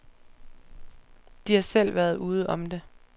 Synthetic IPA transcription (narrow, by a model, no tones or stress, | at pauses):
d̥ihɑ̈sel̰ʋæɐð̞ˠuːð̞̩ˠɒ̽md̥e̝